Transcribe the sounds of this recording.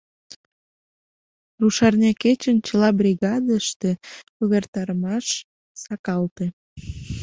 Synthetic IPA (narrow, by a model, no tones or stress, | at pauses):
ruʃɑrnʲɑket͡ɕənt͡ɕəlɑbɾʲiɣɑd̪əʃt̪ekuβert̪ɑɾəmɑʃ | sɑkɑlt̪e